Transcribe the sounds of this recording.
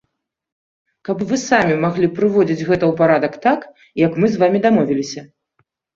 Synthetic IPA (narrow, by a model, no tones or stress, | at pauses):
kɐpvɨsamʲimaɣlʲipɾɨvɔd͡zʲid͡zʲɣɛt̪ɐwpaɾad̪ɐkt̪ak | jɐkmɨzvamʲid̪amɔvʲilʲisʲɐ